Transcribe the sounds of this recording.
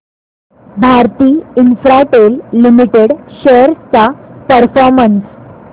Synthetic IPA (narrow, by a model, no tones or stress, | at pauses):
bʱaɾt̪iːinfɾaʈelːimiʈeɽɕəɾt͡sapəɾfɔɾməns